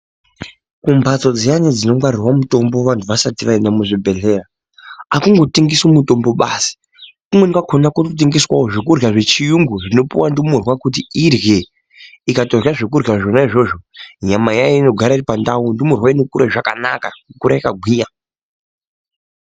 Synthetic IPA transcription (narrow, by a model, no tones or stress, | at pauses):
kumbʱat͡so̞d͡zejanid͡zino̞ŋɡwaɾirwamuto̞mbo̞ʋantʰuʋasatiʋaendamuʐibʱe̞ɮe̞ra | akuŋɡo̞tiŋɡisumuto̞mbo̞ɓasi̥ | kumwenikakʰonakutot̬iŋɡiswawoʐekurɣaʐe̞t͡ʃijuŋɡuʐino̞puwandimurwakut̬iirje | ikato̞raʐekurɣaʐo̞naiʐo̞ʐo̞ɲamajajino̞ɡʱaɾairipandaundimurwainekuɾaʐaka̰na̰kamukuɾaikaɡʱwiːja